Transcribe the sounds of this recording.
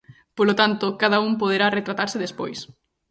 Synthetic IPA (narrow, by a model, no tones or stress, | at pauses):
polot̪ant̪ʊkaðauŋpoð̞eɾaret̪ɾat̪aɾsɪðespojs